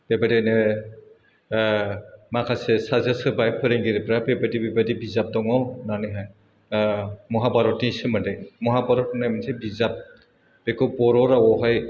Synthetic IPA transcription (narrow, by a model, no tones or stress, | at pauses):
b̥ɛbadinɛ | makʰasɛsazasɯbajpʰɯɾɛŋɡiɾɛpɾabɛbadibɛbadibizap̚dɔŋɔnanɯɦaj | mɔɦabaɾɔtnisɯmadɛmɔɦabaɾɔt̚najmansʰɛbizap̚ | b̥ɛkɔpɔɾɔɾawɔɦaj